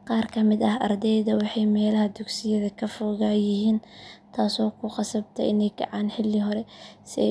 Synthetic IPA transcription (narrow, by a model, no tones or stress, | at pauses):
qɑːrkʰɐmɪd̪ɐɦɐrd̪ɛjðɐwɑħɑjmɛːlɐhɐd̪ʊɡsɪjɐðɐkʰɐfɔːɣaːjɪɦiːnt̪ʰaːsɔːkʰʊqɑsɐbt̪ʰɐ̰ʔɪnɛjɡʰɑ̰ʕɑːnħɪlːɪɦɔɾɛsɪ